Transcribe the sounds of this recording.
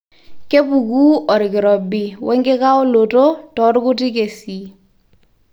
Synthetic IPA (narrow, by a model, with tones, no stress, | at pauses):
ke˦pu˨kuː˦ɔ˨ɾɪ˨kɪ˨ɾɔ˨bɪ˨wʔɛ˦ŋɡe˦ka˦o˦lo˨to˦tɔ˨˦ɾkʊ˦tɪ˦ke˨si˨